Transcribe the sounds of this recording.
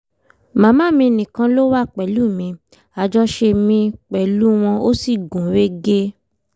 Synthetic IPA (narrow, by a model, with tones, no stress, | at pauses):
mãː˨˦mãː˦mĩ˧nĩ˨kã˧lo˦wa˦k͡pɛ˨lu˨˦˨mĩ˧ | a˧d͡ʒɔ˦ʃe˧mĩ˧k͡pɛ˨lu˦w̃ɔ̃˧o˦si˦˨ɡũ˨˦we˦ɡe˦